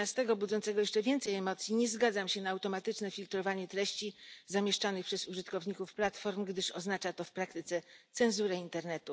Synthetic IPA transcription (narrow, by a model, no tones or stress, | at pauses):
ast̪ɛɡɔbud̪zɔnt̪sɛɡɔjɛʂt͡ʂɛvʲjɛnt̪sɛjɛmɔt̪sʲjiɲɛzɡad̪zamɕɛnaːwt̪ɔmat̪ɘt͡ʂnɛfʲilt̪ɾɔvaɲɛt̪ɾɛɕt͡ɕizamʲjɛʂt͡ʂanɘxpʂɛzuʐɘt̪kɔvɲikufplat̪fɔɾmɡd̪ɘʂɔznat͡ʂat̪ɔfpɾakt̪ɘt̪sɛt̪sɛnzuɾɛint̪ɛɾnɛt̪u